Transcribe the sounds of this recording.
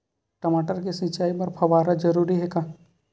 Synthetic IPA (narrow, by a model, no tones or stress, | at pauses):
ʈɐmaːʈəɾkisɪ̃t͡ʃaːipɐɾpʰɐʋaːɾad͡ʒɐɾuːɾiɦɛkaː